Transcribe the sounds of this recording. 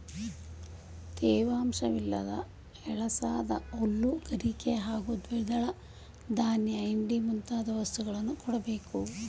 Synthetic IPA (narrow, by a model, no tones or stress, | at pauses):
t̪eːʋaːmʂɐʋilːɐ̰d̪ɐ̰ | ɛɭɐsaːd̪ɐ̰olːuɡ̥ɐɾikeɦaːɡud̪ʋid̪ɐɭɐ | d̪ʱaːnjɐɐjiɳɖimunt̪aːd̪ɐʋɐst̪ʰuɣɐɭɐnːukɔɽɐbeːku